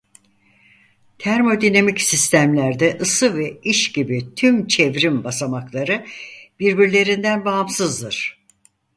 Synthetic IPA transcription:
t̪ʰæɾmo̞d̪inamicsist̪ʰæmlʲæɾd̪ɛʔɯsɯvɛiʃɟibit̪ʰymt͡ʃʰevɾimbasamaklˠaɾɯb̥iɾbiɾlʲe̞ɾind̪ænbaɦamsɯzd̪ɯɾ̥

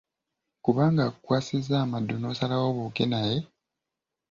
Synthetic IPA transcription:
kuβaːŋɡaːkukwaːsizaːmadːo̞no̞ːsalawo̞βukenaje̞

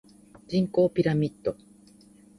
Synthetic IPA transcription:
d͡ʑĩŋko̞ːpʲiɾamʲit̪ːo

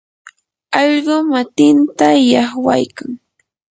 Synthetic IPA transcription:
ɑʎɢʊmat̪ɪnt̪ajɑχwa̰jkaŋ

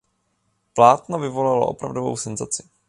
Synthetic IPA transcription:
plaːt̪novɪvo̞laloʔo̰pɾavdovo̞̰wsɛnzat͡sɪ̥

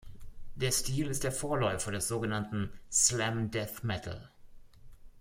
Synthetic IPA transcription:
d̥eːɐstiːlɪstd̥eːɐfoːɐlɔʏfɐdɛsz̥oːɡənantn̩slɛmdɛθmɛtʰl̩

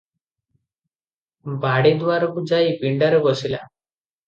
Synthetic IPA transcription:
baɽed̪ʋaɾɔkud͡ʒajpiɳɖaɾɔɡɔsila̰

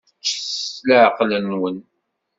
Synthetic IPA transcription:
t͡ʃːəsləʕqlənwən

